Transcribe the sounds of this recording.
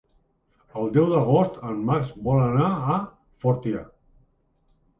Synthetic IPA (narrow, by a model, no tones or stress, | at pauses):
əlˠd̪ɛwd̪əɣost̪əmːaɾzbɔlənaː | fɔɾt̪ia